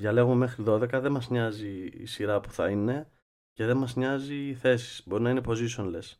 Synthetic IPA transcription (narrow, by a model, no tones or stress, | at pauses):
jɐle̞ɣumeme̞xɾiðo̞ðe̞kɐðe̞mɐzɲɐzḭːsiɾɐpu̥θɐ̰ine̞ | ce̞ðe̞nmɐzɲɐziːθe̞si̥sbo̞ɾinɐinepo̞ziso̞nle̞s